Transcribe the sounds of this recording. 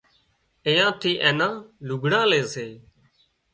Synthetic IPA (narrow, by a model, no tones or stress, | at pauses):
ɪ̃jãːt̪ʰiːʔeːnãːlʊɡʱɳãːleːseː